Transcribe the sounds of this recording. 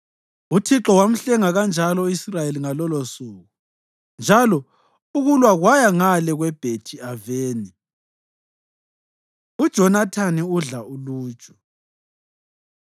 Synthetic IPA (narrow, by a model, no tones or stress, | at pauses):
utʰiǁɔwam̩ɬɛŋaɣand͡ʒʱalɔisrajeliŋalɔlosuːɣu | nd͡ʒʱalɔ | uɣulwaɣwajaŋalɛɣwɛb̥ʱetʰiaveːni | ud̥ʒ̥ʱɔnatʰaniuɮaulu̥ːt͡ʃʼɔ̥